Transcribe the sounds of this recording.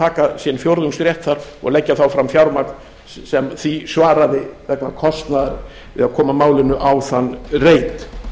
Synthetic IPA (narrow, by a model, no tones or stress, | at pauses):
aːkasjɛnfjowɾðʏŋkst̪ɾjɛht̪θaɾɔ̰ɣlɛcːaθawfɾamfjawɾmakl | sɛmθisvaːɾaðɪvɛknakʰɔst̪naðaɾ | vɪ̰ðaðkʰɔːmamaːwlɪnʏʔawθanːreːjt̪